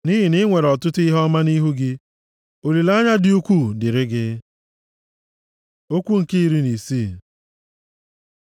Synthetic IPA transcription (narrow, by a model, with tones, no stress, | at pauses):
ni˦ɦi˨nɪ˦ŋʷe˨ɾɔ˨tʊ˦tʊ˦i˦ɦɔ˦ma˦ni˦ɦu˦ɡɪ˦ | o˨li˨la˦ɲa˦dɪ˦u˦kʷu˦˨dɪ˨ɾɪ˦ɡɪ˦ | o˦kʷu˦ŋ̩˨ki˦ɾi˦ni˨si˦˨